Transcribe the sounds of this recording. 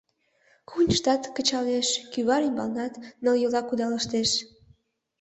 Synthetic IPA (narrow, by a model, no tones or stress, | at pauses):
kʰunʲʃt̪ɑt̪kət͡ɕɑleʃkyβɑɾimbɑlnɑt̪nə̆ljolɑkud̪ɑləʃt̪eʃ